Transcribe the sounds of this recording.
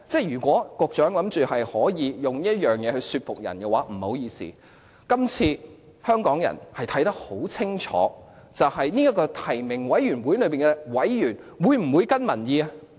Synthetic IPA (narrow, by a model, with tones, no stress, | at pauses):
t͡sɛː˥jyː˨˩kʷɔː˨˥kʊ˧k̚t͡ʃœː˨˥ŋlɐ˨˧˥mt͡ʃyː˨hɐ˨jhɔː˨˥jiː˨˧jʊ˨ŋniː˥ɐ˥t̚jœː˨ŋjɛː˨˧hɵ˧ɥsyː˧t̚fʊ˨k̚jɐ̰˨˩nkɛ˧waː˨˥m̩˨˩ho˨˥wjiː˧sḭː˨˩ | kɐ˥mt͡sʰiː˧ | hœː˥ŋkɔː˨˥ŋjɐ̰˨˩nhɐ˨jt̪ʰɐ˨˥jt̪ɐ˥k̚ho˨˥wt͡sʰɪ˥ŋt͡ʃʰɔ̰ː˨˥ | t͡sɐ˨whɐ˨jniː˥jɐ˥kːɔː˧t̪ʰɐ˨˩jmɪ˨˩ŋwɐ˨˥jɥyː˨˩nwuː˨˥jlɵ˨˧ɥpiː˨nɛ˧wɐ˨˥jɥyː˨˩nwuː˨˧jm̩˨˩wuː˨˧jkɐ˥nmɐ˨˩njiː˧ɐ˧